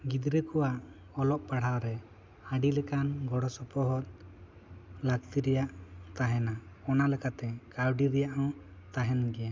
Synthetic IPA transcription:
ɡid̪ɾɛkɔwaʔ | ɔlɔʔpaɽ̤awɾɛ | aɖilɛkanɡɔɽɔsɔpɔɦɔt̪̚ | lak̚t̪iɾɛjaʔt̪aɦɛnaɔnalɛkat̪ɛkawɖiɾɛjaʔɔ̃t̪aɦɛnɡɛɛ

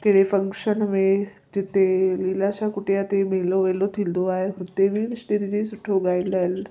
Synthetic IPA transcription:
keɽefəŋkɕənme | d͡ʑet̪elilaɕakuʈjat̪emeloʋelot̪ʰild̪oaɦeɦuɾt̪eʋiːnisʈiɾiɾisuʈʰoɡaiɖdajl

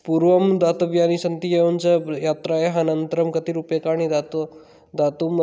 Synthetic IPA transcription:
puɾʋɐmd̪at̪ɐʋjanisɐnt̪ijeʋɐnt͡sɐjaːt̪ɾajeɦɐnɐnt̪ɾɐmkɐt̪iːɾupekaɽ̃ñid̪at̪ | d̪at̪um

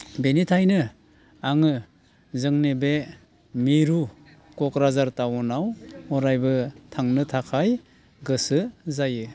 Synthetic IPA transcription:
benitʰajnɯ | aŋɯ | zɯŋnebe | miɾu | kɔkɾazaɾtawɔnawɔɾajbɯtʰaŋnɯtʰakʰaj | ɡɯsɯzajɯ

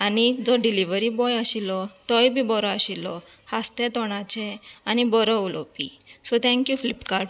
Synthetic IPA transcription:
anid͡zɔɖiliʋəɾibɔjaɕilɔt̪ɔjbʱibɔɾɔaɕilɔhast̪ɛt̪ɔɽ̃at͡ɕɛanibɔɾɔulɔpisɔt̪ʰɛ̃ŋkjufilipkaɾʈ

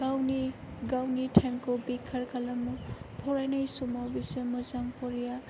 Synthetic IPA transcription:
ɡawni | ɡawnitʰajmkɔbikʰaɾkʰalamɔpʰɔɹajnajsumawbisemɔzampɔɾija

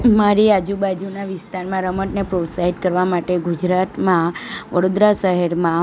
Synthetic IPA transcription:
maɾiad͡ʒubad͡ʒunaʋɪst̪aɾmãɾəməʈnepɾosaɦiɖkəɾʋamaʈeɡud͡ʒɾat̪mãʋəɽod̪ɾaʃəɦɛɾmã

